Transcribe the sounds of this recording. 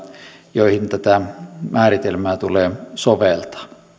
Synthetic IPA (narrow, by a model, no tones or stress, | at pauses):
joˑihint̪æt̪æmʔæːrit̪elmæːt̪uleːsoʋelt̪ɑ̥